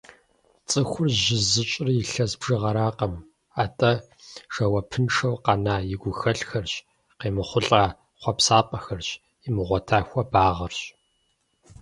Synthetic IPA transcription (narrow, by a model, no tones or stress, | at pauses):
t͡sʼɨxʷʊrʒɪzɨt͡ʃʼɪrjɪɬɐzbʒɨʁɐɾaːqɐm | aːtʼɐ | ʂɐwɐpʰɨnʂɐwqɑnaːjɪɡʷʊxɐɬxɐrɕ | qeːmɨχʷʊɬʼaː | χʷɔpsaːpʼɐxɐrɕ | ɪmɨʁʷɔtʰaːxʷɐbaːʁɐrɕ